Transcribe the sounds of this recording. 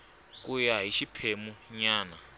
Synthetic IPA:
k̬ʼujaɦiʃipʰemuɲaːna

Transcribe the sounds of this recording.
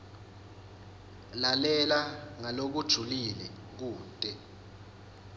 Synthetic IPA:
lalɛlaŋalok̬ud̥ʒ̥ʱulilɛ | k̬uːtʼɛ

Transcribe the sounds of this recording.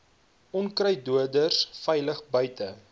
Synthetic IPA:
ʔɔnkrəjduədərsfɛjləχbœɥtə

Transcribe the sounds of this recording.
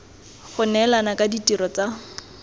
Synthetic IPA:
χʊnɛlanakʼaditiɾɔt͡sa

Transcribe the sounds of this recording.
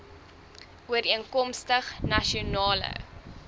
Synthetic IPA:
uəɾiəŋkɔmstəχnɐʃionɑːlə̰

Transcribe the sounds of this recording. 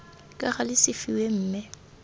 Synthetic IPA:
kʼaɣalɪsɪfiwem̩ːmɛ

